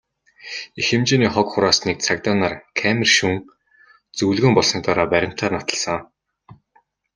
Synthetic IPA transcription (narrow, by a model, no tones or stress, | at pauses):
ixɘ̆mt͡ɕeːniːχɔkχʊɾaːsnik̚t͡sʰak̚t̪aːnarkʰæmʲɪ̆rʃuŋ | t͡sɵwɮɣɘ̆ːmpɔɮsɞ̆k̚t̪aɾaːpæɾʲɪ̆m̥t̪ʰaːrnat̪ə̆ɮsə̆ŋ